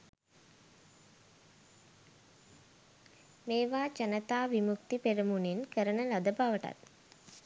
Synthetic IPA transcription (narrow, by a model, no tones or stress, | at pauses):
meːʋaːt͡ʃənət̪aːʋimuk̚t̪ipeɾəmunenkəɾənəlad̪əbaʋəʈa̰t̪